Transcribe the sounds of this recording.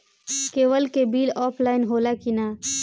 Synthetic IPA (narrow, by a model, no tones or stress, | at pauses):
keːwəlkebiːlɔːpʰlaːɪnɦoːlakinaː